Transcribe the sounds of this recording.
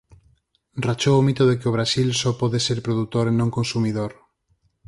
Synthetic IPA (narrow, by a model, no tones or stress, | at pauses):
rat͡ʃoomit̪oðekɪoβ̞ɾasilsɔpɔðeseɾpɾoðut̪oɾenõŋkonsumiðoɾ